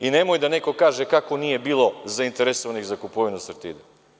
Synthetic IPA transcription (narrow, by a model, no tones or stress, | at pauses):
ine̞mojd̪ane̞ko̞kaːʒe̞kakonije̞biːlˠo̞zaint̪eɾesoʋaniɣzakupoʋinusrt̪ḭd̪e